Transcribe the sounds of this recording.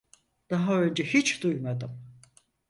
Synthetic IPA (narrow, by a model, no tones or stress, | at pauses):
d̪̥aɦaø̞nd͡ʒɛhit͡ʃd̪ujmad̪ɯm